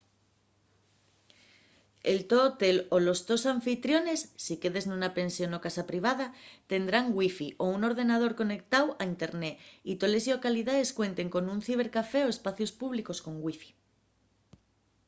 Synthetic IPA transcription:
elt̪oːt̪e̞lo̞lo̞zðo̞saɱfit̪ɾjo̞ne̞sːike̞ðe̞znunape̞nsjo̞no̞kasapɾiβ̞að̞at̪e̞nd̪ɾaŋɡwifiʔouno̞ɾð̞e̞nað̞o̞ɾko̞ne̞k̚t̪awaint̪e̞ɾne̞it̪o̞le̞sjio̞kaliðae̞skwe̞nt̪e̞ŋko̞nunθiβ̞e̞ɾkafe̞o̞e̞spaθjo̞spuβ̞liko̞sko̞ŋɡwifi̥

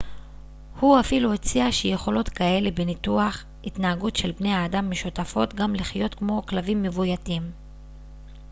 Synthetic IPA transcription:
huafiluet͡siaʃeje̞χo̞lo̞tkae̞lebe̞nituaχ | itnaaɡutʃe̞lbne̞jhaːdamːeʃutafo̞tɡamliχjo̞tkmo̞klavimːe̞vujatim

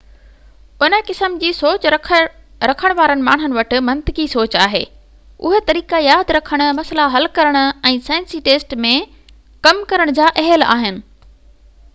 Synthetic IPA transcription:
ʊnə̆kɪsəmd͡ʑiːsoːt͡ɕʰ | ɾɐkʰəɽ̃ʋaːɾənɪ̆ma̰ːɽ̤̃ʊnɪ̆ʋɐʈɪ̆mɐ̃nt̪ɪkisoːt͡ɕaːɦḛː | ʊ̰ɦet̪ɐɾiːkajaːd̪ɾɐkʰəɽ̃ʊmɐslaɦɐlkɐɾəɽ̃ʊ̆ɛ̃ːsãːɪnsiːʈeːsʈmẽ | kɐmkɐɾəɽ̃d͡ʑaːʔɛɦəla̰ːɦɪnɪ̆

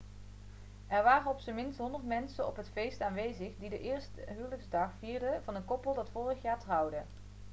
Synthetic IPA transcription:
ʔɛɹʋaːrənɔpsəmɪnstɦɔndəɹtmɛnsənɔ̰pɦətfejstaːnʋejzəχdidəʔɪːɹstəɦyːwləkzdɑχfiːɹdəvɑnəkɔpəlˠdɑtfʊːrəχjaːɹtrʌwdə

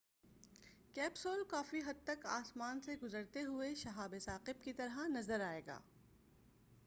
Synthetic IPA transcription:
kɛːpsoːlkaːfiɦɐd̪̚t̪ɐka̰ːsmaːnseɡʊzəɾt̪eɦʊeʃɐɦaːbesaːqɪbkit̪ɐɾɦanɐzəɾaːeːɡa̰ː

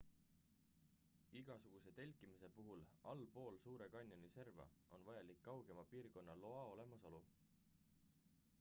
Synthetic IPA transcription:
iɡ̥ɑsuɡ̥use̞t̪e̞lʲkːˑimise̞puɦulɑlpo̞ːlsuːɾe̞kɑnʲːjonise̞rvɑ̰o̞nvɑjɑlikːɑwɡ̥e̞mɑpiːrko̞nːɑlo̞ɑo̞le̞mɑso̞lu

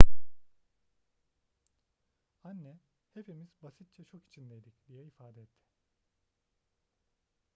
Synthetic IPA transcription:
anːɛ | he̞pʰimizbasit̪̚t͡ʃʰɛt͡ʃʰo̞ki̥t͡ʃʰind̪ɛjd̪icd̪ijɛifaːd̪ɛɛt̪ʰːɪ̥

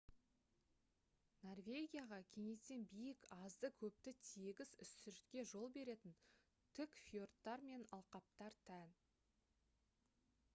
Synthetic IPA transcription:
no̞rvʲe̞ɡʲijaʁɑkʲʰe̞ŋe̞se̞nbijɪkɑzd̪əkʲʰɵp̚t̪ɪt̪ʰeɡʲɪzʏsːʏɾt̪kʲe̞ʒo̞lˠbe̞ɾe̞t̪ɪn | t̪ʰʏkfjo̞rt̪ːɑɾme̞nɑlˠqɑp̚t̪ɑɾt̪ʰæn

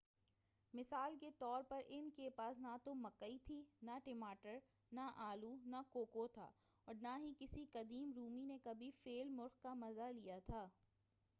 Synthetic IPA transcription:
mɪsaːlket̪ɔːɾpɐɾʔɪnkepaːsnat̪omɐkəit̪ʰinaʈɪmaːʈəɾ | naʔaːlunakoːkot̪ʰa̰ː | ɔːɾnaɦikɪsikɐd̪iːmɾuːminekɐbʱifeːlmʊɾxkamɐzalijat̪ʰaː

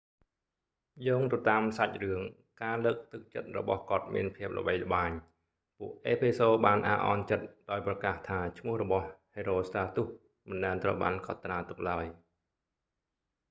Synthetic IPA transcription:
joːŋt̪at̪aːmsac̚rɨəŋ | kaːləːk̚t̪ɨk̚t͡ɕə̰t̪̚rɔ̰ɓɑ̰hkŏət̪̚mḭənpʰiəp̚lə̰̆ɓəjlə̆ɓaːɲ | puəʔʔeːpʰesoːɓaːnʔa̰ːʔɑ̰nt͡ɕət̪̚ɗaɔjprɑkaːht̪ʰaːt͡ɕʰmʊ̆əhrɔɓɑhheːɾoːst̪aːt̪uh | mɨnɗaɛnt̪rəwɓa̰ːnkʰɑt̪ːraːt̪uk̚laəj

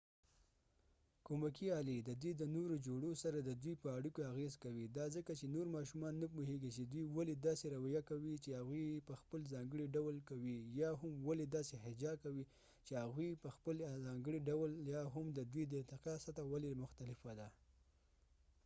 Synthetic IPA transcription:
komakiɑlid̪əd̪wijd̪ənoɾod͡ʒoɽosaɾad̪əd̪wijpəaɽikoaɣezkawid̪ɑzəkat͡ʃenoɾmɑʃ̬umɑnːapuɦeɡit͡ʃed̪wijwaled̪ɑseɾawajakawit͡ʃehaɣujpəxpəlzɑŋɡəɽiɖawəlkawijɑɦʊmwaled̪ɑseɦɪd͡ʒɑkawi | t͡ʃehaɣujpəxpəlzɑŋɡəɽiɖawəljɑɦʊmd̪əd̪wijd̪ət̪ɪqɑsat̪awalemʊxt̪alɪfad̪a

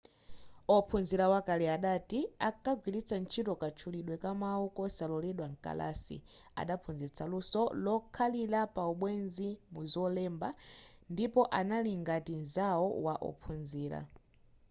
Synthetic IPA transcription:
ɔpʰunziɾawakaliaɗatiakaɡwilit͡sant͡ʃʰitɔkat͡ʃʰuliɗwɛkamaukɔsalɔlɛɗwaŋ̩ka̰la̰sḭ | a̰ɗapʰunzɛt͡sʰalusɔlɔkʰalilapauɓwɛnzimuzɔlɛmbandipɔʔanaliŋɡatinzaɔwaʔɔ̰pʰunziːɾa̰

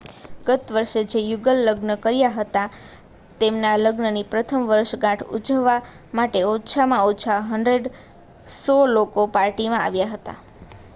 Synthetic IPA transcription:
ɡ̥ət̪ʋəɾʃed͡ʒejuɡəlːəɡnəkəɾjaɦət̪a | t̪emnaləɡnənipɾət̪ʰəmʋəɾʃɡãʈʰṵd͡ʒəʋːa | maʈeot͡ʃʰamãot͡ʃʰaɦəɳɖɾeɖ | sɔlokopaɾʈimãa̰ʋjaɦət̪a̰

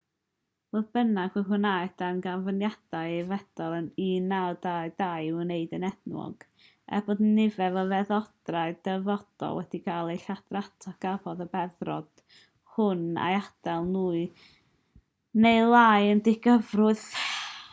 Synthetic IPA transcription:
v̥oːðb̥ənaɡwɪhʊnajdanɡanvənjad̥ajvɛd̥ɔlˠəniːnːawdaɨdajneɨdənɛdnwɔ̰ɡ̥ | ɛ̰boːdnːɪvɛvɔvɛðɔd̥raɨdɛvɔd̥ɔ̰lˠwɛd̥ikʰalˠejɬad̥ratʰaɡ̥avɔðəbɛðrɔd̥ | hʊna̰jad̥ɛlˠnuːɨ | neɨlˠaːjəndɪɡ̥əvrʊɨð

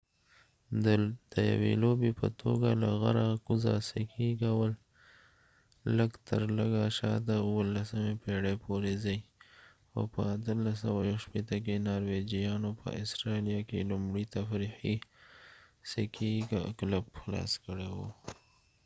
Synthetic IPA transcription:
d̪əd̪əja̰wḛlobepə̰t̪ʰo̰ɡalaɣaɾakuzasekʰiɡawəl | ləɡt̪ʰəɾləɡaʃɑd̪auwəlasəmepeɽepʰoɾezəj | xo̰pə̰at̪əlasawajawʃpet̪ək̬enɑɾwed͡ʒijɑnopʰə̰ʔɪsɾɑlijakḛlumɽit̪afɾixi | sekʰiɡklabxlɑ̰skəɽewo

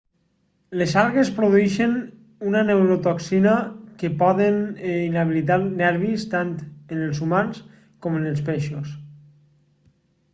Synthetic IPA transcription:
lezaɾˠɣespɾoðuɛʃen | unanewɾot̪oksinakepɔðeninaβ̞ilit̪̬anɛɾβist̪ant̪enelˠzumans | kɔmenelˠspeʃos

